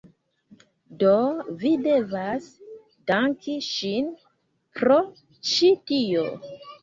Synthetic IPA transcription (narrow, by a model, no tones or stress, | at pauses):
dovide̞vas | d̥aŋkiʃin | pɾo̞ | t͡ʃitio